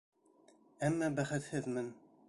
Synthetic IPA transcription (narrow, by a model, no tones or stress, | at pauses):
æmːæbæχɘt̪hɘðmɘn